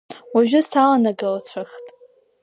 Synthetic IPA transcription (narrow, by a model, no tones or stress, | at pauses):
waʒᶣʊsalanaɡɨlat͡ɕʷʰaχtʼ